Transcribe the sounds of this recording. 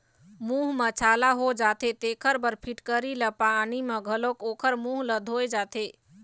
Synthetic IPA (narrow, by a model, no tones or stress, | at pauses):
muɦmət͡ʃʰalaɦod͡ʒat̪et̪ekʰəɾbəɾpʰiʈkəɾiləpanimeɡʱəlokokʰəɾmuɦləd̪ʱojd͡ʒat̪e